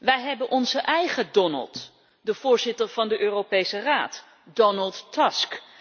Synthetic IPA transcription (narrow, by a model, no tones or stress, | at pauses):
ʋɛjɦɛbənʔɔnzəʔɛjχədɔnə̰lˠt | dəv̥ʊːɹzɪtəɹv̥ɑndəʔøːrowpejsəraːt | dɔnəlˠtːɑsk